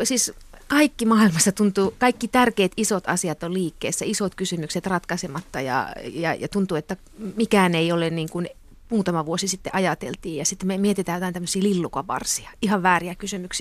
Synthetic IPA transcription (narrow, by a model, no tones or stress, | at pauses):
siːskɑikːimɑːilmɑst̪ɑt̪unt̪uːkɑikːit̪ærkeːt̪isot̪ɑ̰siɑt̪olliːkːḛːsːæisot̪kysymykset̪rɑt̪kɑsemɑt̪ːɑjɑ̰jɑ̰jɑ̰t̪unt̪uːet̪ːæ | mikæːneiolenniːŋkun | muːt̪ɑmɑʋuosisit̪ːeʔɑjɑt̪ḛlt̪iːjjɑsit̪ːmemiet̪it̪æːjot̪ɑˑinæmːøsiːlilːukɑpɑ̰rsiɑihɑʋʋæːriækysymyksi